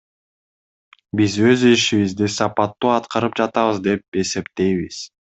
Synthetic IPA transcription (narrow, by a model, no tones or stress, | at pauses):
bizø̞ziʃiβizd̪isɑpɑt̪ːuɑt̪qɑɾɯp̚d͡ʒɑt̪ɑβɯzd̪e̞p̚e̞se̞pt̪e̞jβiz̥